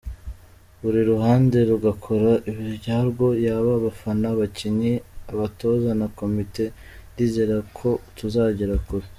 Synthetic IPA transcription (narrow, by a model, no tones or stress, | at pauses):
βuɾiɾuɦaːnde̞ɾuɡakʰo̞ɾaʔiβihivɟaɾɡo̞jaːβaβafanaβaciɲiaβato̞ːzanako̞mite̞ | ndiːzeɾakʰo̞tuzaːɟeɾakuɾe